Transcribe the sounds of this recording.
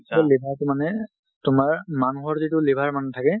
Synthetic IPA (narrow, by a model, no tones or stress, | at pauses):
sɔlebʱaɹtʊmanɛ | tʊmaɹmanuɦɔɹzitʊlebʱaɹmanɛtʰakɛ